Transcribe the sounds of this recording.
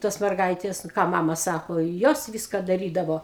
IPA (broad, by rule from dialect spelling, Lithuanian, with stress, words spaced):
ˈtoːs mʲɛrˈɡɐɪtʲeːs nʊ ˈkɑː ˈmɑːmɐ ˈsɑːkoː ɪ ˈjoːs ˈʋʲɪskɐ dɐˈrʲiːdɐʋoː